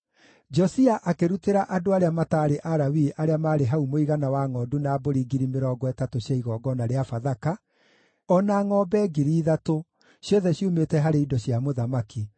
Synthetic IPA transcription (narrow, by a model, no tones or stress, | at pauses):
d͡ʒɔsiaʔakeɾuteɾaʔadoaɾeamataːɾeʔaɾawiʔaɾeamaːɾeɦaumoiɣanawaŋɔːdunaːboɾiɡiɾimeɾɔːɡwɛtatoɕaiɣɔɡɔnaɾeafaðaka | ɔnaŋɔbɛɡiɾiːðato | ɕjɔðɛɕjumetɛɦaɾeidɔɕjamoðamaki